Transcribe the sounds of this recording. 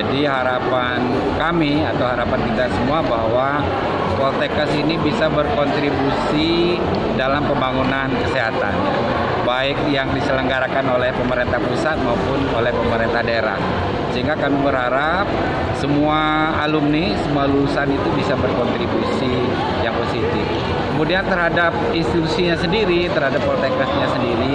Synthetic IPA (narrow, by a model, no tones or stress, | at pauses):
adiɦaɾapa | n | kami | at̪awɦaɾapant̪id̪asəmuabahwa | kɔlt̪ekasinibisabərkɔnt̪ɾibusi | dalampəmbaŋunankəseɦat̪a̰na̰ | baɪk̚jaŋdisələŋɡaɾakanolɛhpəməɾent̪ahpusat̪̚maupʊnolɛhpəməɾɛnt̪ahdaeɾa̰h | səɦiŋɡakamibəɾhaɾap̚ | səmuaː | lʊmnisəmualulusanit̪ubisabərkɔnt̪ɾibusi | jaŋposit̪ɪf | kəmudiant̪ərɦadap̚inst̪it̪usiɲasəndiɾit̪ərhadapːɔrt̪ekasɲasəndiɾi